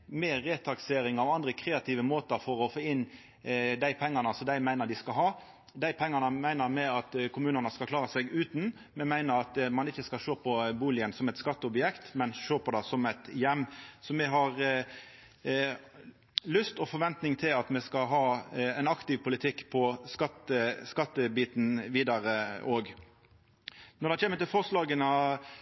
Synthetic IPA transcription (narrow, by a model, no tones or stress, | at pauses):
meːeːt̪ʰɑkseːɾɪŋɑʋɑnd̪ɾəkʰɾeːɑt̪ʰɪːʋəmoːt̪əɾfɔɾɔfoːɪn | d̪æɪpʰɛŋːɑnəsɔd̪æɪmæɪnəɾd̪ɪskɑɦɑː | d̪æɪpʰɛŋːɑnəmæɪnəɾmɛɑt̪kʰʊmʉːnənəskɑlkʰlɑːɾəsɛɡʉːt̪n̩ | mɛmæɪnəɾɑt̪mɑnɪçːəskɑʃoːpʰɔbuːlɪənsɔmɛɪt̪skɑt̪ːəɔbjɛkt̪mɛnʃoːpʰɔd̪ɑsɔmɛɪt̪jɛmːsɔmɛɦɑʁ | lʏst̪ɔfɔɾʋɛnt̪nɪŋt̪ʰɪlɑt̪mɛskɑɦɑːɛnɑkt̪ɪʋpʰʊlɪt̪ʰɪkːpʰɔskɑt̪əskɑt̪ːəbiːt̪n̩ʋiːd̪ɑɾəoːɡ | nɔʁd̪ɛt͡ʃʰeːmət̪ɪlfɔʁslɑːɡənə